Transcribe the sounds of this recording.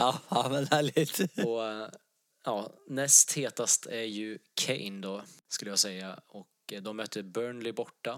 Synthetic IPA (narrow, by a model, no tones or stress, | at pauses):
ɑːɑːmɛnhæːɭɪɡt̪ɔ | ʔɑːnɛst̪heːt̪ast̪ʰæɾjɵkʰɛ̰ɪnd̪ɔskɵləjaːsɛjːaɔkd̪ɔmmœt̪ʰːəɾbœːɳlɪbɔʈːa